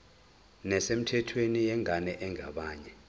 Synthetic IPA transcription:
nɛsem̩tʰɛtʰwenijɛŋʱanɛʔɛŋʱaɓaːɲɛ

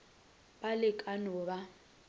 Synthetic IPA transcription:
balɪkʼanɔːba

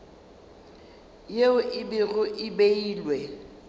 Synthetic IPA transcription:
jeʊʔɪbɪrʊʔɪbeiːlwɛ

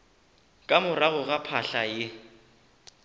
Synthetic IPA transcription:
kʼamʊraɣʊɣapʰaɬajɪ

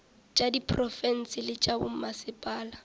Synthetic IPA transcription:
t͡ʃʼadipʰrɔfɛn̩sɪlɪt͡ʃʼabʊ̰m̩masɪpʼaːla

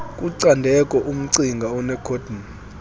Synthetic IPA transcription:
kʼuǀandʱɛkʼɔʔum̩ǀiŋɡʱaɔnɛkʰod̥ʱn

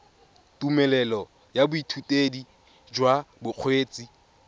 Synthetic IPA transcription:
tumɛlɛlɔ | jabʊitʰutʼedi | d͡ʒwabʊk͡xʰweːt͡sʼi

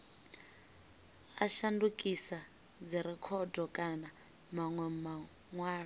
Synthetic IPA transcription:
aʃandukʼisa | d͡ziɾɛkʰɔdɔkʼana | maŋwɛma | ŋwaːɺa

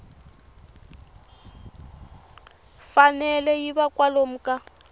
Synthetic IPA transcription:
fanɛlɛjibakwalom̩kʼa

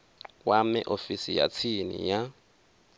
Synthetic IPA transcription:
wamɛʔofisija̰t͡sʰinḭja

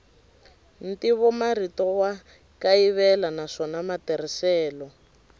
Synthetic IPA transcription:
n̩tiβɔmaritɔwa | kaiβɛlanaʂɔnamatɛrisɛːlɔ

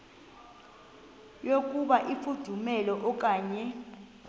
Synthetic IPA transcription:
jok̬ʼuɓaʔifud̥ʱumɛlɔʔɔk̬ʼaːɲɛ

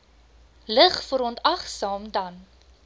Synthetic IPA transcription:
ləχfəɾɔntɐχsɑːmdɐn

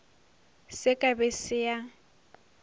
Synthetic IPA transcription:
sɪkʼabɛsɪa

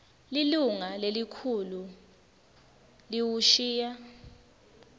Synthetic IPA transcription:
liluŋalelikʰulu | liwuʃiːja

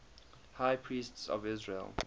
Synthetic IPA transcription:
haɪpʰɹiːstsɔ̰vɪzɹḛlˠ

